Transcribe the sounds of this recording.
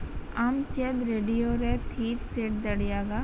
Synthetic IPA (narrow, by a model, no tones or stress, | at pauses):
ɐmt͡ʃɛd̪ɾeːɖijoɾɛt̪ʰiːɾseʈd̪ɐɽijaɡa